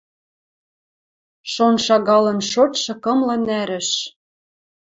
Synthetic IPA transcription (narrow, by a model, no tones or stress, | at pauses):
ʃonʃɑɣɑlɤ̆nʃot̪ʃɤ̆kɤ̆mlɤ̆næɾɘ̆ʃ